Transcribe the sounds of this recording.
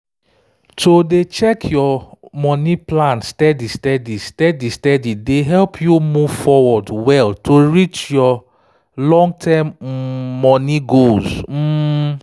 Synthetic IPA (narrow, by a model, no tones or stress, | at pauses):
todet͡ʃɛkʰjɔmɔniplãnstɛdistɛdistɛdistɛdideɦɛlpʰjumuv̥fɔwɔdwɛltʰoɹit͡ʃjɔ | lɔ̃ŋɡtʰãmː | ɔniɡozm̩